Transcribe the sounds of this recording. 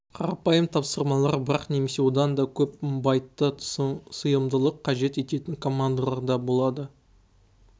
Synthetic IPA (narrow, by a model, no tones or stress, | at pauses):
qʰɑɾɑpɑjəmt̪ʰɑpsəɾmɑlˠɑɾbəɾɑqne̞me̞se̞wo̞d̪ɑnd̪ɑkʲʰɵpəmbɑjt̪ːəsəjəmd̪əlˠəqʰːɑʒe̞t̪e̞t̪e̞t̪ɪŋkʰo̞mand̪alˠɑɾd̪ɑbo̞lˠɑd̪ə